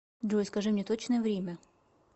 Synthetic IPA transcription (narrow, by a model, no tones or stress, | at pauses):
d̪oskɐʐɨmnʲɛt̪ot͡ɕnəjɛvɾʲemʲɐ